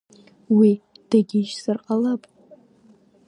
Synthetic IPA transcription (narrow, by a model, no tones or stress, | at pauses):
wi | d̥aɡʲiʃsɨrqʼalapʼ